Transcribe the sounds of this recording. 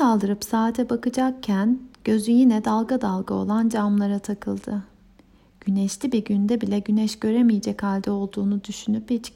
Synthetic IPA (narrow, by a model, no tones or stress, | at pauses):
alˠd̪ɯɾɯpsaːt̪ʰɛbakɯd͡ʒak̚cʰænɟ̥ø̞zyjinɛd̪alˠɡad̪alˠɡao̞̰lˠand͡ʒamlˠaɾat̪ʰakʰɯlˠd̪ɯ | ɟ̥ynɛʃlʲibiɾɟynd̪ɛbilʲɛɟynɛʃɟ̥ø̞ɾemijɛd͡ʒɛchalʲd̪io̞lˠd̪uːnud̪yʃynypit͡ʃc